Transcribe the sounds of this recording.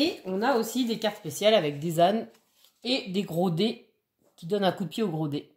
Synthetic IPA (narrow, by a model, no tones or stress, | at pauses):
eɔ̃naosid̪ekaʁt̪spesjalavɛk̚d̪ezan | ed̪eɡʁod̪e | kʲid̪ɔnɛ̃kud̪əpjeoɡʁod̪e